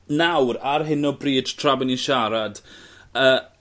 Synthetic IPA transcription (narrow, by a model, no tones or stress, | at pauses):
nawɾarɦɪnɔbriːd̥tʰr̥abɪniʃaɾad̥əː